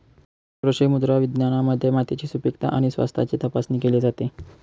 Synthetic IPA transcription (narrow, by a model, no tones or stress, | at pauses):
pɾəɕemud̪ɾaʋid̪njañaməd̪ʱːjemat̪it͡ɕiːsupikt̪a̰ʔaɽ̃isʋa̰st̪ʰa̰t͡set̪əpasnikeled͡zat̪e